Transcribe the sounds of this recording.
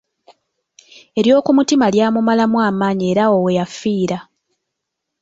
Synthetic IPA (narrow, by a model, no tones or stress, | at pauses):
e̞ɾjo̞ːkumutimaljaːmumalamwaːmaːɲie̞ɾaowejafːiːɾa